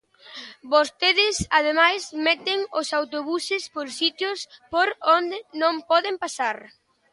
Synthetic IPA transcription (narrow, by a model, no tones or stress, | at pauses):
bost̪eðɪsað̞emajsmɛt̪ɪŋʊsawt̪oβusɪspoɾsit̪jʊspoɾond̪ɪnõmpɔðɪmpasaɾ